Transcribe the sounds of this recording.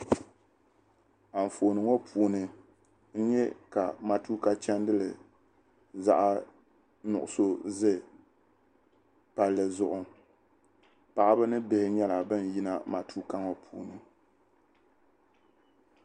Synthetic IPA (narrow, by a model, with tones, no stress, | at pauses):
a˨ɱ̩˨fo˨nɨ˨ŋo˦pʰuː˨nɨ˨ | n̩˦ɲɛ˦ka˨ma˨tu˦ka˦t͡ʃɛ˦n˦dɨ˦lɨ̰˨ | za̰˦ʔa˦ | nʊ̰˨ʔʊ˨so˦zɨ˦ | pa˨lːɨ˨zʊ˨ʔʊ˨ | pa˨ʔbɨ˦nɨ˦bɪ˦hɪ˦ɲɛ˦la˨bɨ˦n˨ji˦na˦ma˨tʰu˦ka˦ŋɔ˨pʰuː˨nɨ˨